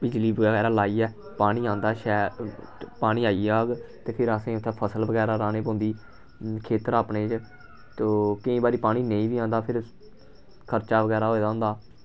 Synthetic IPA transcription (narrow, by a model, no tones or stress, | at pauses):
bɪd͡ʒliːbəɡɛːɡɛːɾaːlaːiːɛː | paːɽ̃iːãːnd̪aːʃɛː | paːɽ̃iːaːiːaːɡt̪eːpʰɪɾəsẽːʊt̪ʰːɛːpʰəsəlbəɡɛːɾaːɾaːneːpõːnd̪iː | kʰeːt̪əɾaːpɳeːt͡ʃ | t̪oːkɪĩːbaːɾiːpaːɽ̃iːnẽĩːbiːãːnd̪aːpʰɪɾ | kʰəɾt͡ʃaːʋəɡɛːɾaːɦoːeːd̪aːɦʊ̃ːnd̪aː